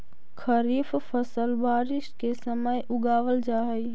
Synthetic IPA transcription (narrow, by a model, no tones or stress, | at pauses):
kʰəɾiːffəsəlbaːɾɪʃkesəməjʔʊɡaːʋəld͡ʒaːɦi